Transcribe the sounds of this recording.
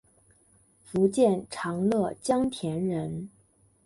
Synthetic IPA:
fu˧˥t͡ɕjɛ˥˩nʈ͡ʂʰɑ˧˥ŋlɤ˥˩t͡ɕjɑ˥ŋt̪ʰjɛ˧˥nɻə˧˥n

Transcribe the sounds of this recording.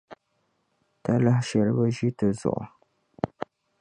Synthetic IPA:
ta˦la˦hʃɛ˨ɾɨ˦ba˦ʒi˦tɨ˨zʊ̰˨ʔʊ̰˨

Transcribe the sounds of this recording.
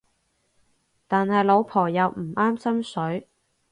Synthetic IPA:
t̪aː˨nhɐ˨jlo˨˧wpʰɔː˨˩jɐ˨˧wm̩˨˩aː˥msɐ˥msɵ˨˥ɥ

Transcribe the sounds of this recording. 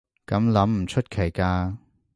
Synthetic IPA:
kɐ˨˧˥mlɐ˨˥mm̩˨˩t͡ʃʰɵ˥t̚kʰe˨˩jkaː˧

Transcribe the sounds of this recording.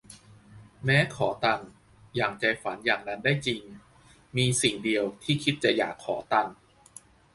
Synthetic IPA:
mɛː˦˥kʰɔː˩˦t̪a˨˧˩ŋ | jaː˨˩ŋt͡ɕa˧jfa˩˦njaː˨˩ŋna˦˥ndaː˥˩jt͡ɕi˧ŋ | miː˧si˨˩ŋdi˧əwt̪ʰiː˥˩kʰi˦˥t̪̚t͡ɕa˨˩ʔja̰ː˨˩kʰːɔ̰ː˩˦t̪a˧ŋ

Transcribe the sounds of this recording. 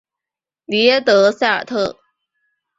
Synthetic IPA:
li˧˥ɛ˥t̪ɤ˧˥sa˥˩ə̰˞˨˩t̪ʰɤ˥˩

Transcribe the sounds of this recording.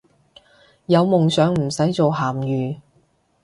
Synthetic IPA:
jɐ˨˧wmʊ˨ŋsœː˨˥ŋm̩˨˩sɐ˨˥jt͡so˨wɦaː˨˩mjyː˨

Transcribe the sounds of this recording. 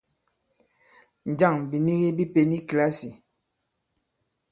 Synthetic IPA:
n˨d͡ʒa˦˨ŋbi˨ni˦ɣi˦bi˦pe˦ni˦kla˦si˨

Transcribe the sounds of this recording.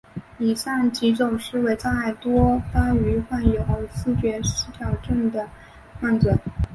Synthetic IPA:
i˨˩ʂa˥˩ŋt͡ɕi˧˥t͡sʊ˨˩ŋʂɻ̩˥˧we˧˥ɪt͡sa˥˧a˥˩ɪt̪wɔ˥t̪a˥y˧˥xwa˥˩njo˧˥ʊxo˥˩ʊsɹ̩˥˧t͡ɕɥɛ˧˥ʂ̩˧˥t̪ʰjɑ˨˩ʊʈ͡ʂə˥˩ŋd̪ə˩ | xwa˥˩nt͡sə˨˩˦n

